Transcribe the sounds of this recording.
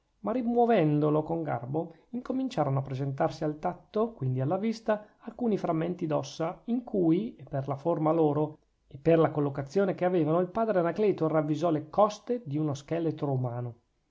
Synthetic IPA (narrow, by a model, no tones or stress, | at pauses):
marimwovɛnd̪olokoŋɡa̰rbo | iŋkomint͡ʃaːɾonoapːɾezent̪arsialt̪at̪ːokwind̪ialːavist̪aː | lkuːnifɾamːent̪id̪ɔsːaiŋkuːjepːerlaformaloːɾo | epːerlakolːokat̪sːjoːnekeaveːvanoilpaːd̪ɾeanakleːt̪oravːizɔlekɔst̪ed̪iunoskɛlet̪ɾoumaːno